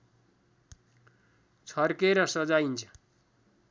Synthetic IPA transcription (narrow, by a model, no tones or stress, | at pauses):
t͡sʰʌrkeɾʌsʌd͡zaint͡sʰʌ̥